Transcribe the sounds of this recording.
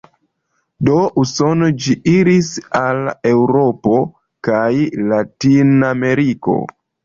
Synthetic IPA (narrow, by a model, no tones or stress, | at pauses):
doʔuso̞nod͡ʒiʔiɾisale̞wɾopo̞ | kajlatiname̞ɾiko̞̰